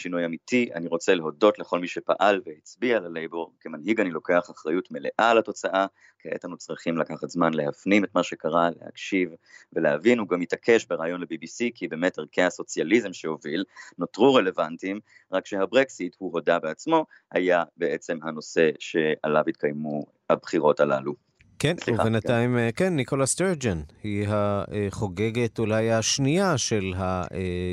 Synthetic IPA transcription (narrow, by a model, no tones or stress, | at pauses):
ʃinujamitiʔa̰niʁo̞t͡se̞leɦo̞do̞tleχo̞lmiʃepa̰ʔalvehit͡sbialalejbo̞ʁkemanɦiɡanilo̞ke̞aχaχʁajutme̞le̞ʔalato̞t͡saʔa | keetanut͡sʁiχimlakaχatzmanle̞hafnimet̪maʃe̞kaʁale̞̰ha̰kʃivve̞lehavinuɡamjitakʰe̞ʃbeʁaːjo̞nlebibisikʰibe̞meteʁkʰeaso̞t͡sjalizemʃeo̞vilnotʁuʁelevantim | ʁakʃeabʁeksithuɦo̞dabeat͡smo̞ | ha̰jabeet͡se̞mhano̞se̞ʃea̰lavit̪̚kajmu | habχiʁo̞talalu | kensliubenattajmekenːiko̞lasteʁd͡ʒenhiɦaeχo̞ɡe̞ɡe̞tulajaʃniaʃe̞lɦaʔe